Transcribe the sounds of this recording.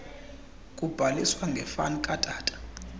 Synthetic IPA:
kʼub̥ʱaliswaŋɡʱɛfankʼatʼaːtʼḁ

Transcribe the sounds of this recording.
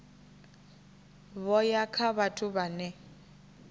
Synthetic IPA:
βɔjakʰaβatʰʼʊbanɛ

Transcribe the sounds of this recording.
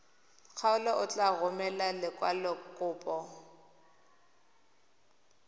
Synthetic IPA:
k͡xʰaʊlɔʔʊt͡ɬʼaɣʊmɛlalɪkʼwalɔkʼʊːpʼɔ

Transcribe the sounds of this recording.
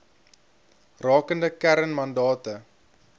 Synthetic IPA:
rɑːkəndəkæɾənmɐndɑːtə

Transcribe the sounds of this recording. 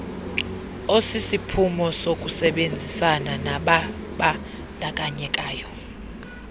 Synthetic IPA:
osisipʰumɔsokʼusɛɓend͡zʱisananaɓaɓa | nakʼaɲɛkʼaːjɔ

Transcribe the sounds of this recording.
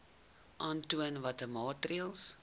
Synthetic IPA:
ʔãntuənvatəmɑːtriəlˠs

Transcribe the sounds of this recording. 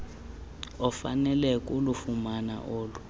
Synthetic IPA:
ɔfa̰nɛlɛkʼulufumana̰ʔoːlu

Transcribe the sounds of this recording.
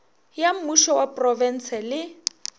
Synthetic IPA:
jam̩muʃɔwapʼrɔvɛn̩sɛlɪ

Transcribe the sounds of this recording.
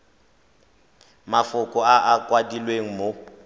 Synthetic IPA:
mafʊkʼɔaʔakʼwadilweŋ̩mo

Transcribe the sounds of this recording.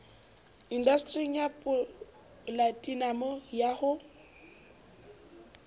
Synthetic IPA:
indastʼrijapʼʊ | latʼinamɔjahʊ

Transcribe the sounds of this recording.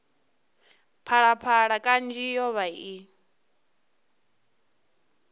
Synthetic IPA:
pʰaɺapʰaɺakʼand͡ʒijɔβai

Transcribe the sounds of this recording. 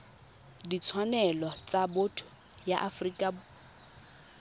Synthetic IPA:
dit͡sʰwanɛlɔt͡sʼabotʰʊ̥ | jaʔafrikʼab

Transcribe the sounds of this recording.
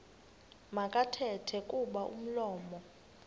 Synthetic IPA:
makʼatʰɛtʰɛkʼuɓaʔṵm̩lɔːmɔ

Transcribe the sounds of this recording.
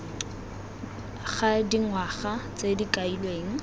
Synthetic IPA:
χadiŋwaχat͡sʼedikʼailweːŋ̩

